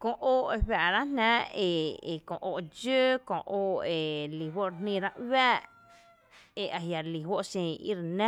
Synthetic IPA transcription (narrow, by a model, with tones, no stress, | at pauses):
kõ˧ʔoː˦e˧ɦwa˨ʔɾa˦nnã˦e˧˨e˨kõ˧˨ʔo˧˨d͡ʒəː˦kõ̰˧ʔoː˧˨e˨li˨ɦwo˦ʔɾe˧nnĩ˧˨ɾa˦ʔwaː˦ʔ | e˨ʔa˨ɦja˨li˨ɦwo˦ʔʃẽ˧˨ḭ˦ɾnã˦